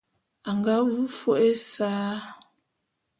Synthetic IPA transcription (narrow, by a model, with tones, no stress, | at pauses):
a˨ŋɡa˦wu˦fo˦e˦saː˦